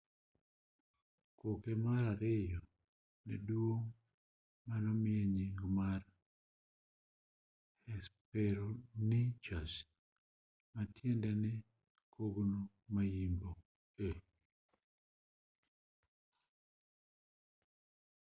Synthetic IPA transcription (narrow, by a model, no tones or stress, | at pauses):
kokemaɾaɾɪjɔ | nɛ̰dwoŋ | manɔmɪɛɲiŋɡmar | hɛspɛɾonit͡ʃas | matjɛndɛnɪ | kʰoɡno | majimbo | e